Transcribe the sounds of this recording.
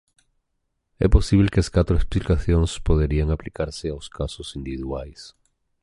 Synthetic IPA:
ɛ̰posiβlekeaskat̪ɾoeksplikaθjõŋspoðeɾiaŋaplikaɾseawskasosind̪iβiðwajs

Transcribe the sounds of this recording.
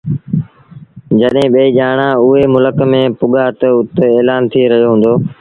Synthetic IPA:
d͡ʒəɗɦẽːɓeːiːʄaːɽ̃ãːʊɦeːmʊləkmẽːpʊɠaːt̪əʊt̪eːlaːnt̪ʰiːɾəɦjoːɦũːn̆d̪oː

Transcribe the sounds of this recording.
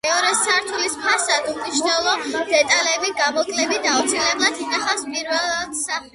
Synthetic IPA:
ɛɔɾɛsaɾt̪ʰulispʰasad̪umniʃnɛlˠɔd̪̥ɛt̪ʼalɛbiɡamɔkʼlɛbid̪aut̪sʰilɛblˠat̪ʰinaχaspʼiɾvɛlˠɛt̪sa

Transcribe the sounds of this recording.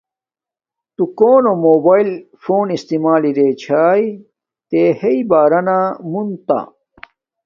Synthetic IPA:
t̪ukoːnomoːbaːilfoːnist̪imaːliɾet͡ɕʰaːj | t̪eːheibaːɾɐnamunt̪a̰

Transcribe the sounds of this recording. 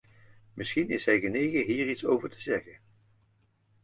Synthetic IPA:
mɪsχinɪsɦɛjɣənejχəɦiːɹitsowvəɹtəzɛχən

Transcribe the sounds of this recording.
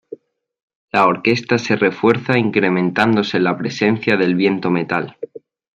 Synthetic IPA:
lao̞ɾke̞st̪ase̞re̞fwe̞ɾθaiŋkɾe̞mẽnt̪and̪o̞selapɾe̞se̞n̟θjaðe̞lβje̞nt̪o̞me̞t̪al

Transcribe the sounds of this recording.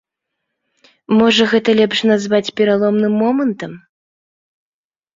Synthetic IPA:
mɔʐɐɣɛt̪ɐlʲɛpʂnazvat͡sʲpʲɛɾalˠɔmnɨmːɔmɐnt̪ɐm

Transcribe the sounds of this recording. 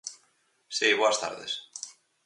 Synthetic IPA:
sijβoast̪a̰ɾðes

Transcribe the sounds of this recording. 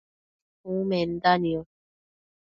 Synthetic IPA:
umen̩d̪anio

